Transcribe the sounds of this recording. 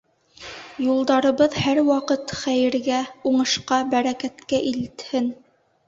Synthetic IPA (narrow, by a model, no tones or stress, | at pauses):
julˠd̪ɑɾɤ̆βɤðhæɾwɑqɤt̪χæjɘ̆ɾɡæuɴɤ̆ʃqɑbæɾækæt̪kæʔilɘt̪hɘn